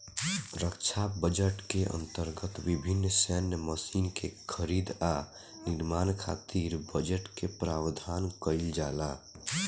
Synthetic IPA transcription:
ɾəkt͡ʃʰabəd͡ʒəʈkeʔə̰̃nt̪əɾɡət̪bibʱinːsɛnːməsinkekʰəɾid̪a | niɾmaːnkʰat̪iɾbəd͡ʒəʈkepɾaːwd̪ʱankəɪld͡ʒala

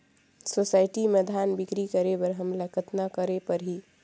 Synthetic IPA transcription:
sosaɪʈimed̪ʱanbikɾikəɾebəɾɦəmlakət̪nakəɾepəɾɦi

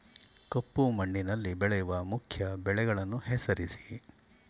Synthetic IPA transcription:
kɐpːumɐɳːinɐlːibɛɭɛjuʋɐmukʰjɐbɛɭɛɡɐɭɐnːuhɛsɐɾisi̥

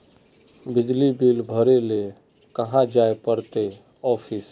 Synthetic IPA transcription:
bɪd͡ʒlibilbʱəɾele | kəɦãd͡ʒaepəɾt̪e | ɔːpʰis

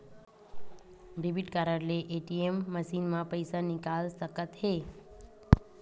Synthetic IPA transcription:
ɾibiʈkaɾəɾleʔeʈiemːəʃinmãpəjsanɪkalsəkət̪ɦe

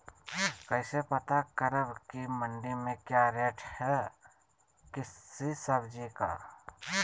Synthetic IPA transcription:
kəɪsepət̪akəɾəbkimə̃ɳɖimẽkjaɾeːʈʰhɛ | kɪsːisəbʱd͡ʒika̰

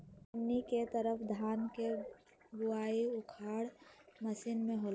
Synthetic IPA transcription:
əmniket̪əɾəpʰd̪ʱaːnke | ɡʊaːiʊkʰaːɽməsiːnmẽɦol

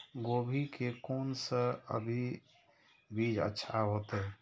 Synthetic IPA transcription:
ɡoːbʱikekoːnsəə̰bʱi | bid͡ʒə̰tːʃʰaɦoːt̪ɛ

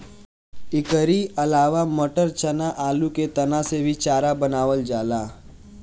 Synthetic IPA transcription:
ɪkəɾiɐlaːʋaməʈəɾt͡ʃənaʔaːluket̪ɐnasebʱit͡ʃaːɾabənaːʋəld͡ʒaːlaː

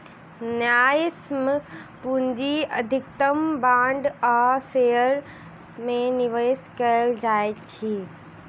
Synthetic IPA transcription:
njaːjsməpuɲd͡ʒiəd̪ʱɪk̚t̪əmbãːɳɖaːsejəɾ | mẽniʋəskəld͡ʒaːet͡ʃʰi

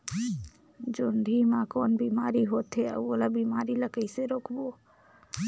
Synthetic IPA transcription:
d͡ʒʊɳɖʱimãkoːnbiːmaːɾiɦoːt̪ɦeə̰oːlabiːmaːɾiləkəiseɾoːkʰboː

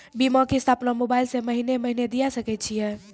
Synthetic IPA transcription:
bimɔ̃kist̪ʰapnamobailsẽməɦineməɦined̪ijasəkɛt̪̚t͡ʃʰijɛ

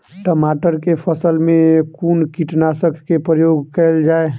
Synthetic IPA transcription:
ʈəmaʈəɾkepʰəsəlmẽkunkiʈnasəkʰːepɾəjoɡkɛld͡ʒae

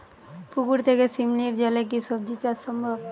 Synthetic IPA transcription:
pukuɾt̪ʰekesimliɾd͡ʑɔlek̬isob̚d͡ʑit̪asɔmbʱɔb

